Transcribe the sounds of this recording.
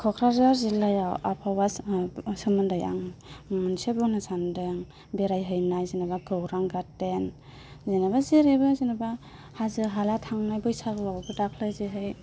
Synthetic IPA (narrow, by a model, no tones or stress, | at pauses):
kʰɔkʰɾazaɾzilajawapʰawasɯmɯndɯja̰ŋmɯnsebunɯsandɯŋ | beɾajɦɯjnajzinabaɡɯwɾaŋɡaten | zinabazeɾebɯzinaba | hazɯɦalatʰaŋnajbɯjsalɯwabɯtakʰlɯjzeɦɯj